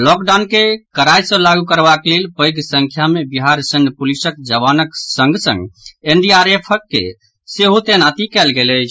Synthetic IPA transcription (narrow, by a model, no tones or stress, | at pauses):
lɔkɖankekəɾajslaɡukəɾbakelelpəjɡsə̃ŋkʰjamebiɦaɾsənpulisəkd͡ʒəβanəksə̃ŋɡsə̰̃ŋɡenɖiaɾepʰəkːḛ | seɦot̪enat̪ikɛlɡelət͡ʃʰ